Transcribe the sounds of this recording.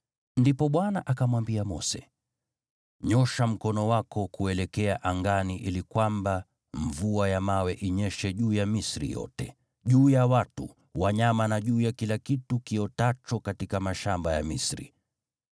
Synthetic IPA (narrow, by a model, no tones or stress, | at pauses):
ndipɔɓwanaʔakamwambiamɔsɛ | ɲɔʃam̩kɔnɔwakɔkuɛlɛkɛaʔaŋɡaniʔilikwamba | ɱvuajamawɛʔiɲɛʃɛʄuːjamisɾḭjɔ̰tɛ | ʄuːjawatṵ | waɲamanaʄuːjakilakitukiɔtat͡ʃɔkatikamaʃambaja̰mḭsɾḭ